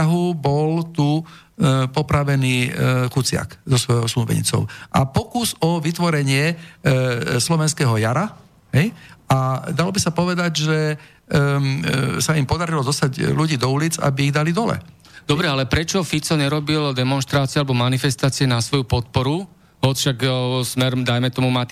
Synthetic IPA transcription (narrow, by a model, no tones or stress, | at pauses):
aɦubɔlt̪u | pɔpɾaʋɛniːkut͡sɪa̰kzɔsʋɔjɔʊslubɛ̰ɲḭt͡sɔ̰ʊʔa̰pɔkuzɔʋit̪ʋɔɾɛɲɪɛ | slɔʋɛnskɛːɦɔjaɾa | ɦɛjad̪alɔbisapɔʋɛd̪aɟʒɛ | saimpɔd̪aɾilɔd̪ɔst̪aɟluɟiːd̪ɔuliːd͡za̰biːɣd̪alid̪ɔlɛ̰ | d̪ɔbɾɛalɛpɾɛt͡ʃɔfit͡sɔɲɛɾɔbild̪ɛmɔnʃt̪ɾaːt͡siɪalɛbɔmanifɛst̪aːt͡siɛnasʋɔjupɔt̪̚pɔɾu | ɔfʃaksmɛɾmd̪ajmɛt̪ɔmuma